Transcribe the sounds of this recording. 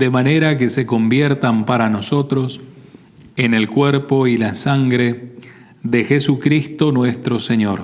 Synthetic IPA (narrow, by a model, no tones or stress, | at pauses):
d̪emaneɾakese̞ko̞mbjeɾt̪ampaɾano̞so̞t̪ɾo̞s | ene̞lkweɾpo̞ilasaŋɡɾe̞ | ðexesukɾist̪o̞nwe̞st̪ɾo̞seɲo̞ɾ